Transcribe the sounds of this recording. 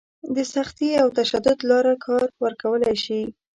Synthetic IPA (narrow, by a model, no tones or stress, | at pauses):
d̪əsaxt̪iawt̪aʃad̪ʊd̪lɑɾakʰɑɾwəɾkawəlajʃi